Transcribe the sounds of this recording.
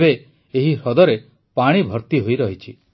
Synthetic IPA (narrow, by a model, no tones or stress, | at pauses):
be | eɦiɾɔd̪ɔɾe | paɽ̃ibʱɔɾt̪iɦojɾɔɦit͡ʃʰi